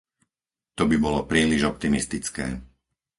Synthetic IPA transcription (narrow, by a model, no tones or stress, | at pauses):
t̪ɔbibɔlɔpɾiːliʒɔp̚t̪imist̪it͡skɛ̰ː